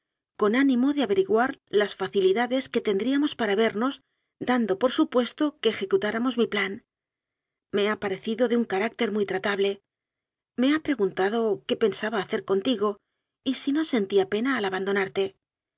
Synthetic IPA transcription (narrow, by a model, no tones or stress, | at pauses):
ko̞nanĩmo̞ðeaβe̞ɾiɣwaɾlasfaθiliðaðe̞ske̞t̪e̞nd̪ɾiamo̞spaɾaβe̞ɾno̞z | d̪and̪o̞po̞ɾsupwe̞st̪o̞keːxe̞kut̪aɾamo̞zmiplan | me̞apaɾe̞θiðo̞ðeuŋkaɾak̚t̪e̞ɾmujt̪ɾat̪aβle̞ | me̞apɾe̞ɣunt̪að̞o̞ke̞pe̞nsaβaːθe̞ɾko̞nt̪iɣo̞ | isino̞se̞nt̪iape̞naːlaβand̪o̞naɾt̪e̞